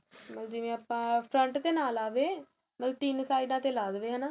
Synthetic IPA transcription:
məld͡ʒiːʋẽːaːpãːpʰɾəɳʈd̪eːnaːlaːʋeː | məlʈiːnsaːiɖãːt̪eːlaːd̪ʋeːɦənaː

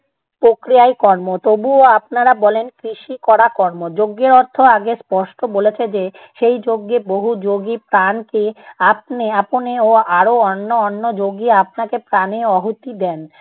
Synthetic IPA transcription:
pɾokɾiaekɔɾmot̪obuoap̚naɾabɔlenkɾiʃikɔɽakɔɾmod͡ʑoɡːeɾɔɾt̪ʰːoaɡespɔʃʈobolet͡ɕʰed͡ʑe | ʃejd͡ʑoɡːeboɦud͡ʑoɡipɾankeap̚neaponeoaɾoɔnːoɔnːod͡ʑoɡiap̚nakepɾaneɔɦut̪id̪ɛn

